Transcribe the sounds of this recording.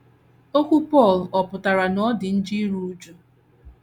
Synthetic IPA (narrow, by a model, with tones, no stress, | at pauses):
o˦kʷu˦pɔ˦˨lɔ˨pʊ˨ta˨ɾa˨nɔ˦dɪ˨n̩˦d͡ʒi˦ɾu˦u˦d͡ʒu˦